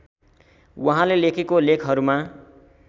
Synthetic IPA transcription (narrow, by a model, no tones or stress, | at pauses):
wʌɦãlelekʰekolekʰɦʌɾuma